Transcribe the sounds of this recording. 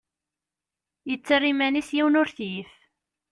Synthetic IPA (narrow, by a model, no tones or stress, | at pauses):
jət͡sːərːimænisjiwnʊɾθjif